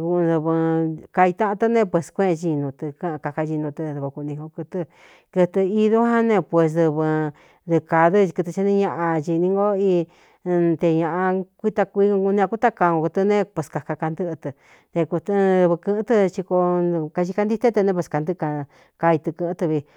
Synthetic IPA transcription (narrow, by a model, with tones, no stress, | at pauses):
ku˧d̪ɨ˧βɨ˧ka˧i˧t̪ã˦ʔt̪ɨ˦˧nẽ˦˧pwe˧˨skʷẽ˦˧ʒi˧nũ˧t̪ɨ˧kã˦˧ka˧ka˧ʒi˧nũ˧t̪ɨ̃˧ðɨ˧ko˧ku˧nĩ˧hõ˧ku˧t̪ɨ˧ | kɨ˧t̪ɨ˧i˧ðu˦hã˦nẽ˧pwe˧s̬ðɨ˧βɨ˧ | d̪ɨ˧ka˧ðɨ˦˧kɨ˧t̪ɨ˧t͡ʃi˧nĩ˧ɲã˧ʔã˧t͡ʃi˧nĩ˧˦ŋɡo˦i˧ | t̪e˧ɲã˧ʔã˧kʷi˦t̪a˧kʷi˧u˧nĩ˧ã˧ku˦t̪a˦ka˧ŋo˧ku˧t̪ɨ˧nẽ˦˧pwe˨ska˨˧ka˧ka˧nd̪ɨ˦ʔt̪ɨ˧ | t̪e˧ku˧t̪ðɨ˧βɨ˧kɨ̃˧˦t̪ɨ˧t͡ʃi˧ko˧ka˧ʃi˧ka˧nd̪i˦t̪e˦t̪ɨ˧nẽ˧pwe˧˨ska˧nd̪ɨ˦˧ka˧ | ka˧i˧t̪ɨ˧kɨ̃˧t̪ɨ˧βi˧